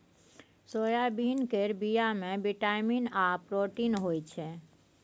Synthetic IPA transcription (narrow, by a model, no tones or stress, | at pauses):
sojabinkeɾbijamẽbiʈajminapɾoʈinɦoːjt͡ʃʰe